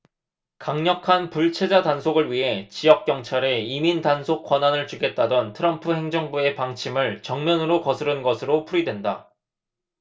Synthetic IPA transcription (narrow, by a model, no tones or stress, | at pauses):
kaŋɲʌkʰanpuɭt͡ɕʰe̞d͡ʑatansʰoɡɯɭɥiɦe̞t͡ɕijʌk̚k͈jʌŋt͡ɕʰaɾeimindansʰok͈wananɯɭt͡ɕuɡe̞t̚t͈adʌntʰɯɾʌmpʰɯɦeŋd͡ʑʌŋbue̞paŋt͡ɕʰimɯɭt͡ɕʌŋmjʌnɯɾokʌsʰɯɾɯnɡʌsʰɯɾopʰuɾidwe̞nda